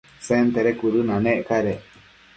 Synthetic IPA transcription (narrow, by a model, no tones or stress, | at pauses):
sent̪eɾekuɾɯnãnẽʔkaɾe